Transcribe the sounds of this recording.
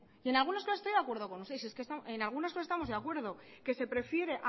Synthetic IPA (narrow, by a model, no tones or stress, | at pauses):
ie̞nalɣunaskosasest̪ojðakwɾðo̞ko̞nust̪es̬ieskest̪aenalɣ̞unaskosest̪amo̞zðeakwe̞ɾðo̞ke̞se̞pɾe̞fje̞ɾe̞ʔ